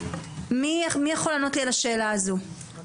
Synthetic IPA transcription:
mimijaχo̞lanotlielaʃeːlaːzu

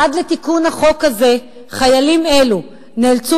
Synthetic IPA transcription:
ad̪let̪ikunhaχo̞khaze̞ | χajalime̞lu | neːlt͡su

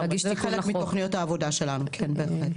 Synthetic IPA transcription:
ɡiʃiχelekmit̪oχnijo̞t̪haːvo̞daʃe̞lanukʰenbeːχlet̪

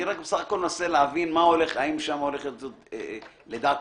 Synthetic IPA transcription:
iʁak̚besaχako̞lnaseleavinmao̞le̞χaimʃamoleχet̪zot̪e | led̪aːt̪

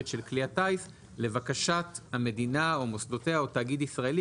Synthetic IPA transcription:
tʃelkliatajs | le̞vakaʃathame̞dinaomosdo̞teaotaːɡidisʁaeli

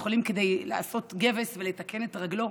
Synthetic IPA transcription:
χolimked̪ejla̰aso̞t̪ɡe̞vesvelet̪ake̞ne̞t̪ʁaɡlo̞

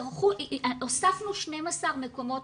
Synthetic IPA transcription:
ʁχuosafnuʃnemasaʁmekomo

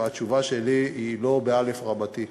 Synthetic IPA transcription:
at͡ʃuvaʃe̞liilo̞beale̞fʁabati

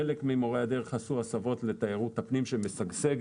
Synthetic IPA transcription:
elekmimo̞ʁead̪eʁχasuasavo̞tlet̪ajeʁut̪hapnimʃemesaɡseɡ

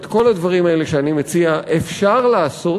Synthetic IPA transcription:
t̪ko̞lad̪vaʁimaeleʃeanimet͡siaʔefʃaʁlaːso̞

